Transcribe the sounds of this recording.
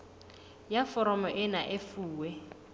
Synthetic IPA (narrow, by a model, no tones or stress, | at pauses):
jafɔɾɔmɔʔɪnaʔɪfuːwɛ